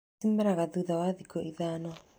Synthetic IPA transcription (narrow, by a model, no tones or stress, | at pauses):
imɛɾaɣaðuðawaðikɔʔiðaːnɔ